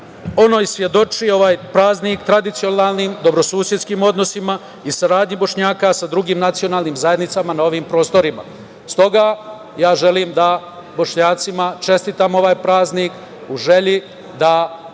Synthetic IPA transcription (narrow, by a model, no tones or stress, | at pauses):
o̞no̞ːjsʋje̞d̪o̞t͡ʃio̞ʋaːjpɾaːznikt̪ɾad̪it̪sio̞naːlˠniːmd̪o̞bɾo̞suːsjed̪skiːmo̞d̪no̞sima | isaɾaːd̪ɲibo̞ʃɲaːkasad̪ɾuɡiːmnat̪sio̞naːlˠniːmzaje̞d̪nit̪samanao̞ʋiːmpɾo̞ːst̪o̞ɾima̰ | st̪o̞ɡa | jaːʒe̞liːmd̪a | bo̞ʃɲaːt̪simat͡ʃe̞st̪iːt̪amo̞ʋaːjpɾaːzniːk | uʒe̞ʎi | d̪a